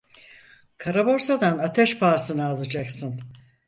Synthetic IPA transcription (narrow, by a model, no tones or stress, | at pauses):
kʰaɾabo̞ɾsad̪anat̪ʰɛʃpʰaːsɯnɯalˠad͡ʒaksɯn